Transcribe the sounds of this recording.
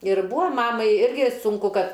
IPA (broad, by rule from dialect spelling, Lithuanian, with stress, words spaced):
ɪr ˈbuːɐ ˈmɑːmɐɪ ˈɪrʲɡʲɪ sʊŋˈkʊ ˈkɐt